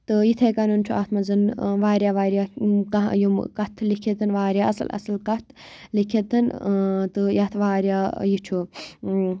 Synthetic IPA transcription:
t̪ɨjit̪ʰekɐnunt͡ʃʰuʔaːt̪ʰmɐzɨnʋaːɾjaːʋaːɾʲjaːkajumkɐt̪ʰlikʰet̪ɨnʋaːɾʲjaːʔɐsɨ̰lʔɐ̰sɨlkɐt̪ʰlikʰet̪ɨnt̪ɨjɐt̪ʰʋaːɾʲjaːjit͡ʃʰu

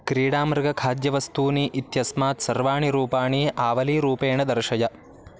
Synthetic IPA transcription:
kɾiːɽaːmɾɐɡɐkʰaːd̪jɐʋɐst̪uːniʔit̪jɐsmaːt̪sɐɾʋaːɳiɾuːpaːɳiʔaːʋɐliːɾuːpeːɳɐd̪ɐɾʃɐjɐ

